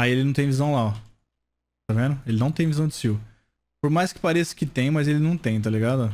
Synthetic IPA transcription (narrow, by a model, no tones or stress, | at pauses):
aielɪnɐ̃w̃t̪ẽj̃vizɐ̃w̃la | t̪avẽnʊelɪnɐ̃w̃t̪ẽj̃vizɐ̃w̃d͡ʒɪsiw | poɾmajskɪ̥paɾesɪ̥kɪt̪ẽj̃mɐzelɪnɐ̃w̃t̪ẽj̃t̪̬aliɡad̪ʊ